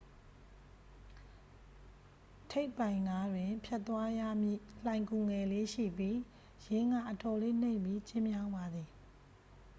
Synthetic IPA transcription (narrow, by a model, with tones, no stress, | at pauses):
tʰe˦ɪpːã˨ɪ̃ŋɡa˦dwɪ̃˨pʰjɛ˦ʔt̪ːwa˦ja˦˨mjḭ˦˨lã˨ɪ̃ŋku˨ŋɛ˨le˦ʃḭ˦˨pji˦ | jɪ̃˦ŋa̰˦˨ʔətɔ˨le˦n̥ḛ̃˦˨mpi˦t͡ɕɪ̃˦mjã˦ʊ̃mba˨d̪ði˨